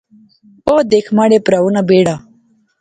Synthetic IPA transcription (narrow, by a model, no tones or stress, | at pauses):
oːd̪ekʰmaɽepɾawunabeːɽa